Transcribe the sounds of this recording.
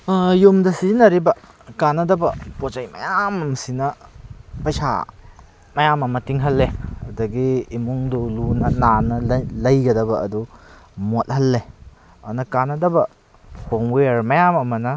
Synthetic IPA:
jumdɐsinɐɾibɐ | kanɐdɐbɐpot͡ʃajmɐ̰jamɐmsinɐ | pɐjsa̰ | mɐjamɐmɐtiŋɦɐlːehɐdɐɡiːmuŋdulunɐnanɐlɐjɡɐdɐbɐʔɐ̰dumot̚hɐlːe | ɐnɐkanɐdɐbɐ | poŋwejɾmɐjamɐmɐnɐ

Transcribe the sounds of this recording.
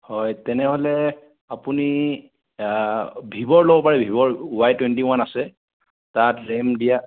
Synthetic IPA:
hɔjtɛnɛɦolɛ | apuni | bʱibɔɹlobɔpaɹɛbʱibɔɹwajtwentiwanasɛ | tatɹɛmdija

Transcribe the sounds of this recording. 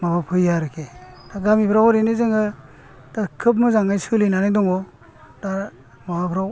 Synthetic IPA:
mabapʰɯjaɾɯkʰed̥aɡamipʰɾawɾinɯzɯŋɯ | d̥akʰɯp̬̚mɯzaŋajsɯlinanajdɔŋɔ | d̥aɾ | mawapʰɾaw

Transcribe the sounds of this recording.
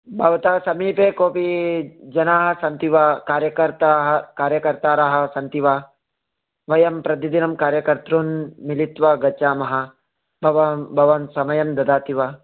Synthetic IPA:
bʱɐʋɐt̪aːsɐmiːpeːkoːpid͡ʒɐnaːɦɐ̆sɐnt̪iʋaːkaːɾjɐkɐɾt̪aːɦɐkaːɾjɐkɐɾt̪aːɾaːɦɐ̆sɐnt̪iʋaː | ʋɐjɐmpɾɐt̪id̪inɐmkaːɾjɐkɐɾt̪ɾuːnmilit̪ʋɐɡɐt͡ʃaːmɐɦɐ̆ | bʱɐʋɐbʱɐʋɐnsɐmɐjɐmd̪ɐd̪aːt̪iʋaː

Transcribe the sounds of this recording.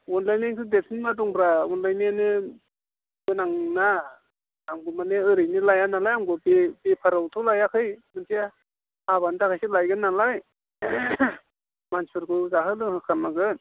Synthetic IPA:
unlajniŋkʰɯdetʰinmaduŋɾawɔnlajnianɯ | ɡɯnaŋnaː | mɡumaneɯɾɯjnilajanalajamɡɯbebepʰaɾawtʰɯwlajakʰɯjmɯntʰia | haβandakʰajsɯlajɡɯnːalaj | manspʰɯɾkʰɯzaɦɯlɯhɯkʰanːaɡɯn

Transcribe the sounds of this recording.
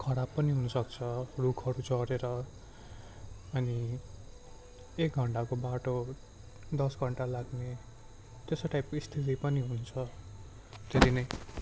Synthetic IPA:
kʰʌɽapːʌniɦunʌsʌkt͡sʰʌrukʰʌɾut͡sʌɾeɾʌ | ʌni | ek̚ɡʱʌɳʈakobaʈo | d̪ʌsɡʱʌɳʈalaɡne | t̪esoʈajp̚koist̪ʰit̪ipʌniɦunt͡sʰʌ | t̪eɾinʌj

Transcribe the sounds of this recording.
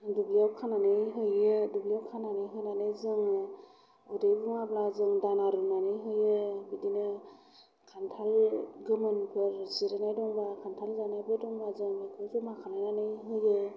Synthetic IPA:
dubliawkʰananɯjɦɯjedublijawkʰananɯjɦɯjnanɯzɯŋ | ɔdebuŋablazɯŋdanaɾunanɯjɦɯjɯbidinɯ | kʰantʰalɡɯmɯnpʰɯɾziɾanajdɔŋbakʰantʰalzanajbɯdɔŋbazɯŋbɯkʰɯzumakʰalajnanɯjɦɯjɯ

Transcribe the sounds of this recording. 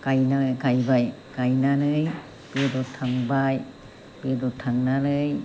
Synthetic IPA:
kajnaɡajbajkajnanɯj | pidɔtʰaŋbaj | bidɔtʰaŋnalɯj

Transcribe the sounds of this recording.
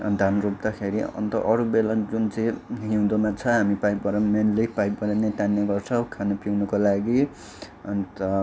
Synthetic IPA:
d̪ʱanrop̚d̪akʰeɾiʌ̰nt̪ʌʔʌɾubelad͡zunt͡sʌj̃ɦiũd̪omat͡sʰʌɦamipajpbʌɾʌmenlepajpbʌɾanet̪anːeɡʌrt͡sʰʌw̃kʰanʌpiwnʌkolaɡi | nt̪ʌ

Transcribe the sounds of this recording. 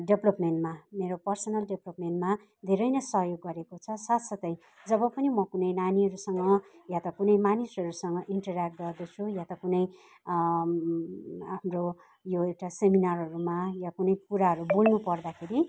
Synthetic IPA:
ɖeblʌpmeɳʈmameɾopʌrsʌnʌlɖeblʌpmenʈma | d̪ʱeɾʌjnʌsʌɦjoɡːʌɾekot͡sʰʌsat̪sʌt̪ʌj | d͡zʌbʌpʌnimʌkunʌjnaniɦʌɾusʌŋɡʌjãt̪ʌkunʌjmanisʌɾusʌŋɡʌʔiɳʈʌrak̚ʈ̚ɡʌrd̪ʌt͡sʰujãt̪ʌkunʌj | ɦamro | joewʈaseminarɦʌɾumajakunʌjpuɾaɦʌɾubolnupʌrd̪akʰeɾi

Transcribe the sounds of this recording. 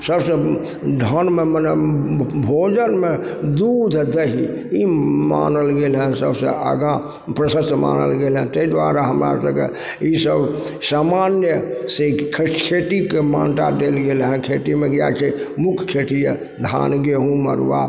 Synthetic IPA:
səbsə̃ | ɖʱɔnmemənɛbʱod͡ʒənmed̪ud̪ʱd̪əɦḭ | ima̰nəlɡelɦɛ̃səbsə̃ə̰ɡã | pɾəsəst̪ma̰nə̰lɡelɦɛ̃t̪əid̪ʋaɾaɦəmɾa̰səbkḛ | isəbʱsamanjəsekʰkʰeʈikemã̰nʈa̰d̪elɡelɦɛ̃kʰeʈimeɡja̰t͡ʃʰɛmukʰkʰeʈijə | d̪ʱa̰nɡeɦũmə̰ɾʋa̰

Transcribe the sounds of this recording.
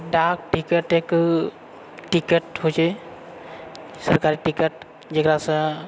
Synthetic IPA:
ɖak̚ʈikəʈek | ʈikəʈɦod͡ʒa | səɾkaɾiʈikəʈ | d͡ʒeɡɾasɛ̃

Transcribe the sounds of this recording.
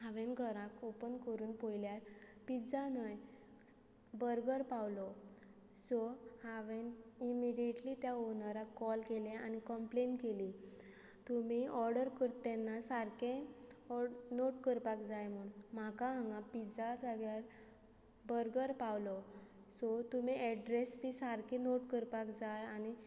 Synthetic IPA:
ɦaʋẽnɡʱəɾãkopənkəɾuːnpojljaɾpid͡zanəj | bəɾɡəɾpawlɔ | sɔhaʋenimiɽijeʈlit̪jaɦonaɾakɔlkeleanikəmplenkeli | t̪umiɔɾɖəɾkəɾt̪enːasaɾkẽɔnoʈkəɾpakd͡zajm̤uɳm̤akaɦaŋɡãpid͡zataɡjaɾ | bəɾɡəɾpawlɔ | sɔt̪umiʔɛɖɾesbisaɾkẽnoʈkəɾpakd͡zajañi

